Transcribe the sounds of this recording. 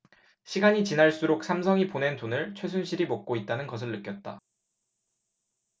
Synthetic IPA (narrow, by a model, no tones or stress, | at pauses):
ɕʰiɡaɲit͡ɕinaɭs͈uɾok̚s͈ʰamsʰʌŋipone̞ntonɯɭt͡ɕʰwe̞sʰunɕʰiɾimʌk̚k͈oit̚t͈anɯnɡʌsʰɯɭːɯk͈jʌt̚t͈a̰